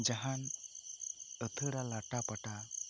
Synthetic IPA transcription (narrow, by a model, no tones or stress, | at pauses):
d͡ʒaɦan | ət̪ʰəɽalaʈapaʈa